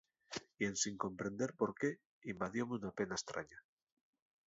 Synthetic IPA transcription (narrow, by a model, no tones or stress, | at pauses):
ie̞nsiŋko̞mpɾe̞nd̪e̞ɾpo̞ɾke̞ | imbaðjo̞meunape̞naest̪ɾʔa̰ɲa